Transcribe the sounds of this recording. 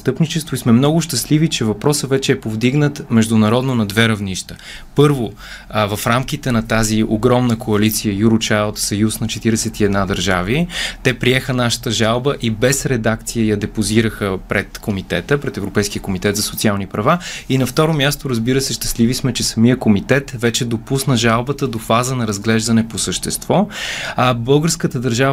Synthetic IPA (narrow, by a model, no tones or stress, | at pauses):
st̪ɤpnit͡ʃɛst̪vʊismɛmnɔɡʊʃt̪ɐslivit͡ʃɛvɐpɾɔsəvɛt͡ʃɛːpovd̪iɡnət̪mɛʒd̪ʊnɐɾɔd̪nonɐd̪vɛɾɐvniʃt̪ə̥ | pɤɾvo | vɐfɾamkit̪ɛnɐt̪azioɡɾɔmnəkʰoɐlit̪sijəjuɾʊt͡ʃajlˠt̪sɐjusnɐt͡ʃɛt̪iɾɛsɛt̪iɛd̪nad̪ɐɾʒavit̪ɛpɾiɛxənaʃə̥t̪əʒalˠbəʔibɛsɾɛd̪ak̚t̪sijəjɐd̪ɛpoziɾəxəpɾɛt̪komit̪ɛt̪əpɾɛt̪ɛvɾopɛjsk̟ijəkomit̪ɛt̪zɐsʊt̪sialˠnipɾɐvainɐft̪ɔɾomʲjast̪oɾɐzbiɾəsɛʃt̪ɐ̥slivismɛt͡ʃɛsɐmijəkomit̪ɛt̪vɛt͡ʃɛd̪opusnəʒalˠbət̪əd̪ofazənɐɾɐzɡlɛʒd̪ɐnɛposəʃt̪ɛst̪vɔ | bɤlˠɡəɾskət̪əd̪ɐɾʒa